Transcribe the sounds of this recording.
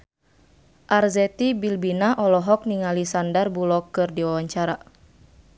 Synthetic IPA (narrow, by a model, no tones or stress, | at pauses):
ʔarzɛt̪ibilbinaʔɔlɔɦɔk̚niŋalisandarbulɔkːɨrdiwawaɲt͡ʃaɾa